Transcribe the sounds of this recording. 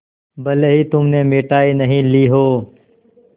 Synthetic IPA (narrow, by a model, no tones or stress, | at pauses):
bəleɦiːt̪ʊmnẽːmeːʈaːiːnəɦĩːliːɦoː